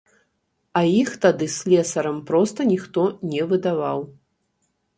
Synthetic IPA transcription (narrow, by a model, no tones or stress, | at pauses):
ɐjixt̪ad̪ɨsʲlʲɛsɐɾɐmpɾɔst̪ɐnʲixt̪ɔnʲɛvɨd̪avaw